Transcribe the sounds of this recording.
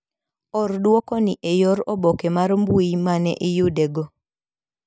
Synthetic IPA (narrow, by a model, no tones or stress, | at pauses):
ɔrdwɔkɔniʔejɔɾɔbɔkemaɾmbuimanɛ̰ʔijudeɡo